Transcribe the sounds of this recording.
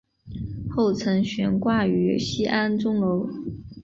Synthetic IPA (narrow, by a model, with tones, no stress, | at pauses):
xo˥˩ʊt͡sʰɤ˧˥ŋɕɥɛ˧˥nkwa˥˩y˧˥ɕi˥ʔa˥nʈ͡ʂʊ˥ŋlo˧˥ʊ